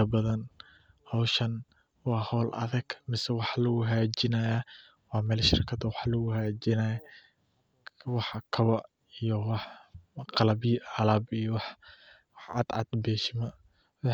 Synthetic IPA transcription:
ɐbɐðɐn | hɑwʃɐn | wɑːhɔːlʔɐ̰ðɐɡ̥mɪsɛwɑħlɐɡʊɦaːd͡ʒɪnajaː | wɑːmɛːlʃɪrkʰɐd̪ɐwɑħlɐɡʊɦaːd͡ʒɪnaja | wɑħkʰɐwɐ | ijɔwɑħqɑlɐbiʔaːlaːbijɔwɑħ | wħɑ̰d̪ʕɑ̰d̪bɛːʃɪmɐ | w

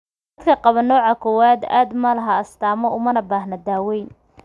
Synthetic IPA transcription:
d̪̥ɐd̪kʰɐqɑβɐnɔːʕɑkʰɔwaːd̪a̰ːd̪mɐlɐɦɐɐst̪aːmɔʊmɐnɐbaːhnɐd̪aːwɛjn

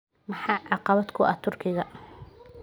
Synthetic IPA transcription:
mɑħɑːʕɑqɑβɐd̪kʰʊʔɐt̪ʰʊrkʰɪɣɐ

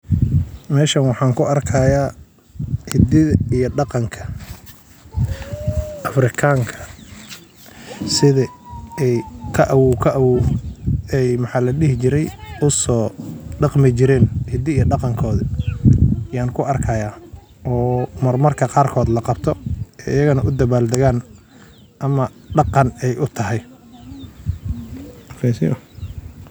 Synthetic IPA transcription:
mɛːʃɐnwɑħɑːŋkʰʊɐrkʰɐjaː | hɪd̪ɪðɐijɔɖɑqɑŋkʰɐ̥ | ʔɐfrɪkʰaːŋkʰɐ | sɪðɐɛjkʰɐʔwuːkʰɐʔɐwu | ɛjmɑħɑːlɐɖɪɦɪt͡ʃɪɾɛjʊsɔːɖɑqmɪt͡ʃɪɾɛːnhɪd̪ɪjɐɖɑqɑŋkʰɔːðɐ | jaːŋkʰʊʔɐrkʰɐjaː | ʔɔːmɐrmɐrkʰɐqɑːrkʰɔːd̪lɑqɑbt̪ʰɔɛjɪjɐɣɐnɐʔʊd̪ɐβaːld̪ɐɣaːn | ʔɐmɐ | ɖɑqɑnɛjʔʊt̪ʰɐɦɛj | ɐkɛsɪ̰jɐ̰

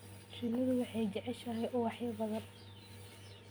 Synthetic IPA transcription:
ʃɪnɪðʊwɑħɑjd͡ʒɛʕɛʃɐɦɛjʔʊwɑħjɐbɐðɐn

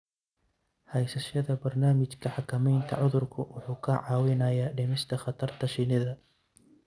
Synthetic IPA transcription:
hɛjsɐʃɐðɐbɐrnaːmɪt͡ʃkʰɐħɑkʰɐmɛjnt̪ʰɐ̰ʕʊðʊrkʰʊwʊħuːkʰɐʕɑːwɪnɐjaːɖɪmɪst̪ʰɐχɑt̪ʰɐrt̪ʰɐʃɪnɪðɐ

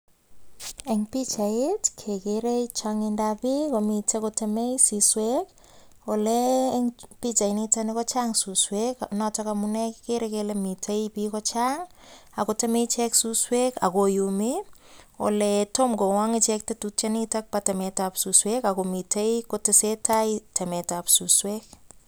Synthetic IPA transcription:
eŋpit͡ʃaetkʰekeɾeit͡ʃaŋendapikomitekotemejsiswek | olɛŋpit͡ʃainitanɪkɔt͡ʃaŋsusweknɔtɔkamunɛkkeɾekelemitʰeipikɔt͡ʃaŋakotemet͡ʃɛksuswekakojumi | o̰lɛtomkowaŋɪt͡ʃɛk̚tetut͡ʃanitak̚patɛmetapsuswekakomitʰejkotesetʰajtɛmɛtapsuswek̚

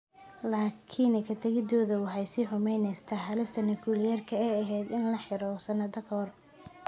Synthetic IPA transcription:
laːkʰiːnɛkʰɐt̪ʰɐɣɪd̪ɔːðɐwɑħɑjsiːħʊmɛjnɛjst̪ʰɐɦɐlɪst̪ʰɐnɐkʰuːlɪjɐrkʰɐɛːɐɦɛːd̪ɪnlɐħɪɾɔsɐnɐd̪ɐkʰɔr

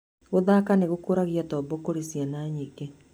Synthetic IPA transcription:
ɣoðaːkaneɣokoɾaɣijatɔːbokoɾisianaːɲike

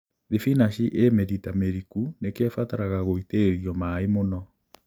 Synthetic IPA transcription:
ðifinaɕiʔemeɾitameɾikunekeɛfataɾaɣaɣoiteɾiɔmaemonɔ

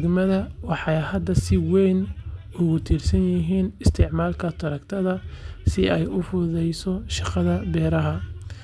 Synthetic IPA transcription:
ɡmɐðɐwɑħɑjhɐd̪ɐsɪwɛjn | ʊɣʊt̪ʰiːrsɐnjɪɦiːnɪst̪ʰɪʕmaːlkʰɐt̪ʰɐɾɐkt̪ʰɐðɐsɪɛjʊfʊðɛjsɔʃɑqɑðɐbɛːɾɐɦɐ

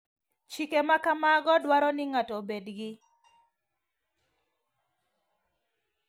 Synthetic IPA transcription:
t͡ʃikemakamaɡɔdwaɾɔnɪŋatɔbedɡɪ

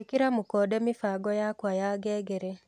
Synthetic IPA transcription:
ikiɾamukɔdɛmifaɡɔjakwajaɡɛɡɛɾɛ

